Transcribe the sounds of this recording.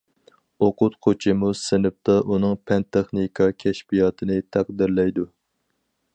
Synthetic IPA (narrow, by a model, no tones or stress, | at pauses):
oqʰʊt̪qʰot͡ʃʰɪmusɪnɪp̚t̪ɑʔunɨŋpʰɛnt̪ʰeχnikʰɑkʲʰɛʃpijɑːt̪ʰɨnɨt̪ʰæq̚d̪ɪɾlɛjd̪u